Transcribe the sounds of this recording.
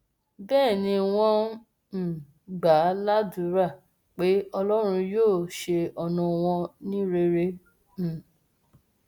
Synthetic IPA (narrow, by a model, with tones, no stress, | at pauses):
bɛː˦˨nĩ˧w̃ɔ̃˧ | m̩˨ | ɡ͡ba˨˦la˦du˧˦ɾa˦˨ | k͡pe˨˦ɔ˧lɔ˦ɾ̃ũ˧joː˦˨ʃe˧ɔ˧nũ˧w̃ɔ̃˧nĩ˦ɾe˧ɾe˧ | m̩˨